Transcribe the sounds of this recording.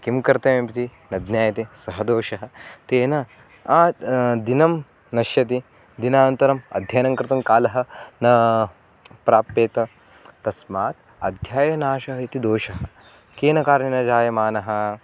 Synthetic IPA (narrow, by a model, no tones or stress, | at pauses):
kimkɐɾt̪eːmipit̪inɐd̪njaːjɐt̪isɐɦɐd̪oːʃɐɦɐ̆t̪eːnɐ | aːd̪inɐm | nɐʃjɐt̪i | d̪inaːnɐnt̪ɐɾɐmɐ̰d̪ʱjaːnɐŋkɾɪt̪ɐmkaːlɐɦɐ̆nɐ | pɾaːpːeːt̪ɐ | t̪ɐsmaːt̪ | ɐd̪ʱjaːjɐnaːʃɐɦɐit̪id̪oːʃɐɦɐ̆ | keːnɐkaːɾɳinɐd͡ʒaːjɐmaːnɐɦɐ̆